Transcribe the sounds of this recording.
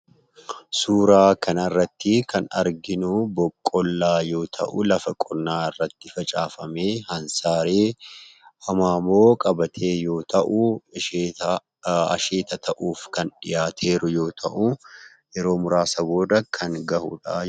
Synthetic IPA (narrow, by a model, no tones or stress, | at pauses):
suːɾaːkʰɐnɐrːɐt̪ːɪkʰɐnɐ̰ɾɡɪnʊbɔkʼːɔlːaːjo̞ːt̪ʰɐ̰ʔʊlɐfɐkʼɔɾnaːɪrːɐt̪ːɪfɐt͡ʃʼaːfɐmeːhɐnsaːɾeː | ɐmaːmo̞ːkʼɐbɐt̪ʰe̞ːjo̞ːt̪ɐʔʊeː | ɐ̰ʃeːt̪ɐt̪ʰɐʔuːfkɐnᶑɪjaːt̪ʰe̞ːɾʊjo̞ːt̪ʰɐʔʊ | jɛɾo̞ːmʊɾaːsɐbo̞ːd̪ɐkʰɐŋɡɐhʊ̰ᶑa